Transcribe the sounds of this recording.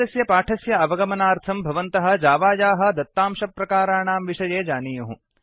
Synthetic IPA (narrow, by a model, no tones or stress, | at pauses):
ɐsjɐpaːʈʰɐsjɐɐʋɐɡɐmɐnaːɾt̪ʰɐmbʱɐʋɐnt̪ɐɦɐ̆d͡ʒaːʋaːjaːɦɐ̆d̪ɐt̪ːaːmʃɐpːɾɐkaːɾaːɳaːmʋiʂɐjeːd͡ʒaːniːjɐɦũ